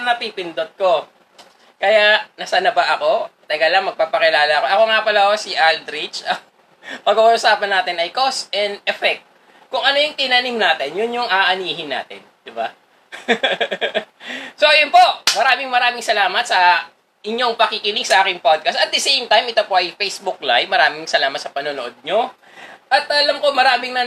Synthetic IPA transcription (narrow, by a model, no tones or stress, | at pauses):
nɐpipɪnd̪ot̪̚ko | kɐjaʔnɐsanɐbɐʔɐko̞t̪ɐɡalɐŋmɐɡ̚papɐkɪlaːlɐʔɐko̞ʔɐko̞ŋapɐlɐosiʔald̪ɾit͡ʃɐ | pɐɡuʔʔːsaːpɐnːaːt̪ɪnɐjkosʔɛnd̪̚ɛfɛk̚t̪̚ | kʊŋʔɐno̞jʊŋt̪ɪnanimnaːt̪ɪnjʊnjʊŋʔaːʔɐniːɦɪnːa̰ːt̪ɪ̰nd̪̥ɪba̰ | so̞ʔɐjʊnpo̞ʔmɐɾaːmɪŋmɐɾaːmɪŋsɐlaːmɐt̪̚sɐ | ʔɪɲːoŋpɐkikɪniɡsɐʔaːkɪŋpod̪̚kɐst̪ɐt̪d̪ɐsejmt̪ajmɪt̪opo̞ʔɐjfejsbuk̚lajmɐɾaːmɪŋsɐlaːmɐt̪sɐpɐnonoʔod̪̚ɲo̞ | ʔɐt̪ɐlɐmko̞mɐɾaːmɪŋnɐ